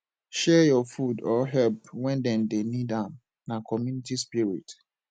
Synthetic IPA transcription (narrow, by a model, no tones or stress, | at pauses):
ʃɛjɔfudɔɦɛlpwɛ̃ndɛ̃ndenidãm | nakʰɔmjunitispiɹḭt